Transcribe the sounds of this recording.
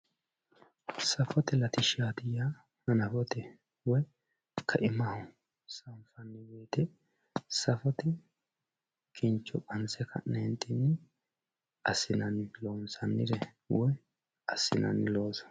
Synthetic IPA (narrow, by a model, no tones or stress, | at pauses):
sɐfɔt̪ɛlɐt̪ɪʃaːt̪ɪja | hɐnɐfɔt̪ɛ | wɔj | kʰɐʔɪmɐhʊ | sɐmfɐnːɪwɛjt̪ɛ | sɐfɔt̪ɛ | kʰɪnt͡ʃːɔkʼɐnt͡sɛkʰɐ̰nɛnt̪ʼːɪnːɪ | ɐsːɪnɐnloːnsɐnːɪ̰d̪ɛ | wɔj | ɐsːɪnɐ̰nɪlo̞ːsɐ̥